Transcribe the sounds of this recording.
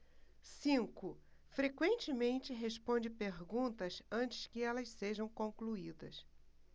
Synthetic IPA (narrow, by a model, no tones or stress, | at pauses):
sĩkʊ | fɾekwẽnt͡ʃɪmẽnt͡ʃɪɦeʃpõnd͡ʒɪpeɾɡũt̪ɐsɐ̃t͡ʃɪ̥skɪɛlɐsseʒɐ̃w̃kõkluid̪ɐs